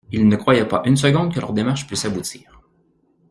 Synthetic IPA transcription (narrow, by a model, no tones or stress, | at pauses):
ilnəkχwajɛpaʔyns̬əɡɔ̃d̪kəlœʁd̪emaʁʃpysabut̪ʰiːʁ